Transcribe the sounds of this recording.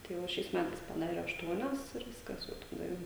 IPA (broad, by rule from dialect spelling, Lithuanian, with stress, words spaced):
tɐɪ ˈʋɐ ʃʲɛɪs ˈmʲætɐɪs pɐˈdɑːrʲɛ ɐʃˈtuɔnʲɛs ɪr ˈʋʲɪskɐs ˈjɛʊ tɐˈdɐ jɛʊ